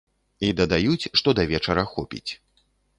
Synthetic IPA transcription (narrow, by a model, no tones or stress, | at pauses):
id̪ɐd̪ajut͡sʲʂt̪ɔd̪ɐvʲɛt͡ʂɐɾɐxɔpʲḭt͡sʲ